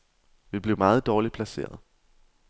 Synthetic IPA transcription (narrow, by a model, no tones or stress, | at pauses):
ʋib̥le̝ʊmɑ̈ːð̩ˠd̥ɒːlipʰlæse̝̰ːɐð̞̩ˠ